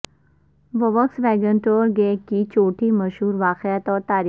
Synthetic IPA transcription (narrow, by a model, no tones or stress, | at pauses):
ʋəʋəksʋɛːɡə̃ɳʈoːɾɡeːkit͡ʃoːʈʰiməʃɦuːɾʋaːqɪət̪ɔːɾt̪aːɾi